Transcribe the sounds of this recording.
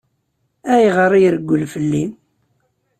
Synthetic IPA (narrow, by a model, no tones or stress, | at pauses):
æjʁəɾˤijɾəɡʷːəlfəlːim